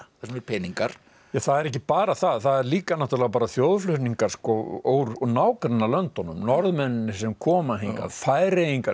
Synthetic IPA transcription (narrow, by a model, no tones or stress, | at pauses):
asmɛɾpʰɛːniŋkaɾ̥ | jaθaðɛɾɛhcɪpaːɾaθaðθaðɛɾliːkanaht̪ʏɾlɛɣapaːɾaθjowðflʏht̪niŋkaɾ̥skɔowɾnaːwkɾɛnːalœnt̪ɔnːʏ̰mnɔɾðmɛnːʏnːɪsɛmkʰɔːmaɦejŋka̰ðfaːjɾejiŋka